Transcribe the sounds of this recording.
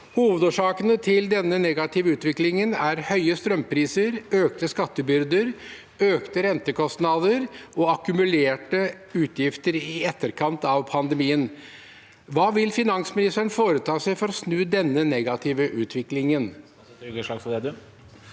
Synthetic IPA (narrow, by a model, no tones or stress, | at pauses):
huːʋəd̪oːʂɑːkənət̪ʰɪld̪ɛnːənɛɡɑt̪ʰɪʋəʉːt̪ʋɪklɪŋənæɾhœʏəst̪ɾœmpʰɾiːsəɾøːkt̪əskɑt̪ːəbʏɾd̪əɾ | øːkt̪əɾɛnt̪əkʰɔst̪nɑd̪əɾɔɑkʉmʉleːʈə | ʉːt̪ʰjɪft̪əɾɪɛt̪ːəɾkʰɑnt̪ɑʋpʰɑnd̪əmiːən | ʋɑːʋɪlfɪnɑŋsmɪnɪst̪əɳfoːɾət̪ʰɑːsæɪfɔɾɔsnʉːd̪ɛnːənɛɡɑt̪ʰɪʋəʔʉːt̪ʰʋɪklɪŋən | ɡəʂɑːkfɔd̪ɛd̪ʉ